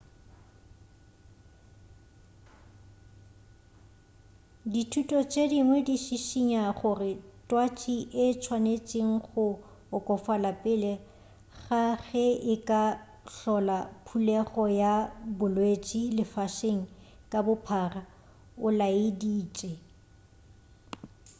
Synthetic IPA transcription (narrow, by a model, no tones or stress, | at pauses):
ditʰutʼɔt͡ʃʼediŋwɛdiʃiʃiɲaχʊrɪtʼwat͡ʃʼiʔɪt͡ʃʰwanet͡ʃʼeŋ̩χʊː | kʼɔfalapʼɪlɛ | ɣaɣɛɪkʼa | ɬɔlapʰulɛɣɔjabʊlwet͡ʃʼilɪfaʃeŋ̩ | kʼabʊpʰara | ʊlaɪdiːt͡ʃʼɛ